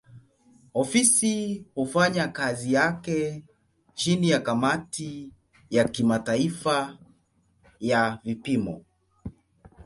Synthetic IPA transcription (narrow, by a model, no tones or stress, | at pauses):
ɔfisihufaɲakazijakɛ | t͡ʃinijakamati | jakimataifa | javipimɔ̰